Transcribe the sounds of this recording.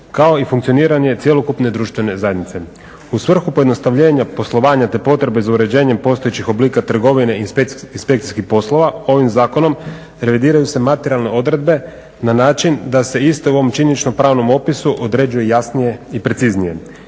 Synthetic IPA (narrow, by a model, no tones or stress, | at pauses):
kao̞ifuŋkt̪io̞niːɾane̞t̪sije̞lo̞kupne̞d̪ɾuːʃt̪ʋe̞ne̞zajed̪nit̪se̞ | usʋr̩xupo̞jed̪no̞st̪aʋʎe̞ːɲapo̞slˠo̞ʋaːɲat̪e̞po̞t̪ɾe̞bezauɾe̞d͡ʑeːɲe̞mpo̞st̪o̞jet͡ɕixo̞bliːkat̪r̩ɡo̞ʋine̞iinspe̞kt̪i̥skipo̞slo̞ʋao̞ʋimzaːko̞no̞m | ɾe̞ʋid̪iːɾajuse̞mat̪eɾialˠne̞o̞d̪ɾe̞d̪̚be̞ | nanaːt͡ʃind̪ase̞ist̪euo̞ʋomt͡ʃiɲeit͡ʃnopɾaːʋno̞mo̞pisuʔod̪ɾe̞d͡ʑujejasnije̞ipɾe̞t̪siznije̞